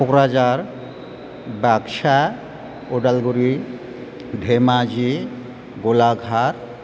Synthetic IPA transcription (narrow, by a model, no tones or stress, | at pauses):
okɾad͡ʑaɾ | bɛkʃa | oɖalɡuɾi | ɖʱemad͡ʑi | ɡolaɡʱaɾ